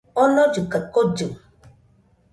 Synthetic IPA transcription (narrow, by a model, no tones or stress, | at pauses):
ɔnɔd͡ʒukət̚kod͡ʒu